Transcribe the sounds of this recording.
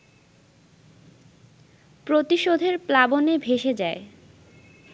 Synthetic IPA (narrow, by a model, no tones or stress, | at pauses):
pɾot̪iʃod̪ʱeɾplabonebʱeʃed͡ʑae